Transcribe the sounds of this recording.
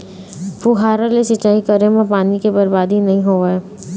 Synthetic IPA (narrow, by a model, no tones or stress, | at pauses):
pʰuɦaːɾalesɪt͡ʃaːikɐɾemẽpaːnikebɐɾbaːd̪ʱinɐɦĩɦoːeː